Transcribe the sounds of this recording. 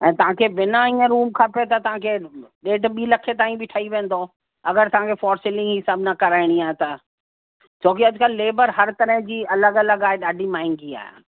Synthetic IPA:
ɛ̃ːt̪ɐʋ̤ãkʰeʋɪnaĩːə̃ɾuːmkʰãːpt̪ɐt̪ɐʋ̤ãkʰeɗeːʈɓiːlɐkʰet̪aːĩbʱɪʈʰɐiʋẽːn̆d̪o | ɐɡəɾt̪ɐʋ̤ãkʰefɔːɾsɪlɪ̃ŋɡɦɪsaːbnakɐɾaːɪɽ̃iaːɦet̪ɐ | t͡ɕoːkiɐd͡ʑʊkəlːeːbəɾɦɐɾt̪ɐɾəɦd͡ʑiːɐləɡɐləɡaːeɗaːɖʱimaːɪŋɡia̰ːɦḛ

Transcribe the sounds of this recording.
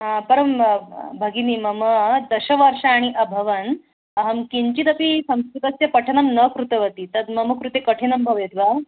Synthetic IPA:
apɐɾəmbʱɐɡinimɐməd̪ɐɕɐʋɐɾʂaːɽ̃iʔɐbʱɐʋɐn | ɐɦəmkiɲt͡ɕit̪ɐpisɐ̃w̃skɾut̪ɐsjɐpɐʈʰɐnɐmnəkɾut̪ɐʋɐt̪it̪ɐd̪mɐməkɾut̪ekəʈʰenɐmbʱɐʋjet̪ʋa

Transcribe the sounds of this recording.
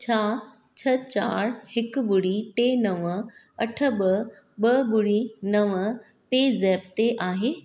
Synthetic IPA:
t͡ɕʰaː | t͡ɕʰɐt͡ɕaːɾhɪkɓʊɽiʈeːnɐʋəɐʈʰə̆ɓə | ɓɐɓʊɽinɐʋə | peːzɛːp̚t̪eʔaːɦeː

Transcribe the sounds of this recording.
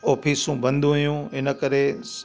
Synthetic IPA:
ɔːpʰiːsũbɐ̃nd̪ʱũɦjũɪnə̆kəɾes

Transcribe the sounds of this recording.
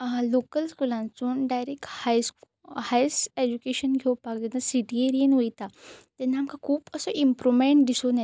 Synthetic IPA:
lokəlskulãnt͡suːnɖajɾekhajs | hajsed͡ʑukeɕənɡʱewpakd̪enasiʈieɾijənʋejt̪at̪ɛnːaːmkʰakʰuːpəsɔʔimpɾomeɳʈd̪isona

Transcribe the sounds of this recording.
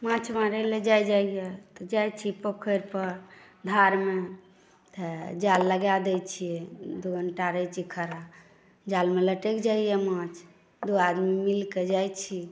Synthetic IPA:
mãt͡ʃʰmaɾəled͡ʒajd͡ʒaijet̪ɔd͡ʒajt͡ʃʰipokʰəɾpəɾ | d̪ʱaɾme | t̪əd͡ʒalːəɡad̪ɛjt͡ʃʰijɛd̪uɡənʈaɾət͡ʃʰikʰəɾa | d͡ʒalmeləʈekd͡ʒaijemãt͡ʃʰ | d̪uad̪mimilked͡ʒajt͡ʃʰi

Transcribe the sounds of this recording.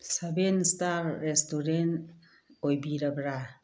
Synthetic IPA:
sabenstaɾːestuɾen | ojbiɾabɾa

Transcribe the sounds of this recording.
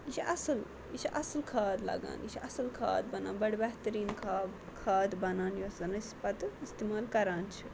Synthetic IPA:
jit͡ʃʰiʔɐsəl | it͡ʃʰiʔɐsəlkʰaːd̪lɐ̰ɡa̰ːnit͡ʃʰiʔɐsəlkʰa̰ːd̪̚bɐna̰ːnbɐɽbɛɦt̪ɐɾiːnkʰaːb | kʰaːd̪bɐnaːnjosɐnɐspɐt̪ist̪eːmaːlkɐɾaːnt͡ʃʰi

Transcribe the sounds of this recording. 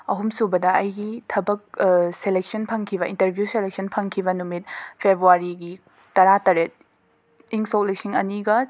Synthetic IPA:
ɐɦumsubɐdɐɐjɡitʰɐbɐk̚selek̚sɐnpʰɐŋkʰiβɐintɐɾbʱjuselek̚sʰɐnpʰɐŋkʰibɐnumit̚pʰebɾuaɾiɡi | ɐɾatɐɾet̚ | iŋsok̚lisiŋɐniɡɐ

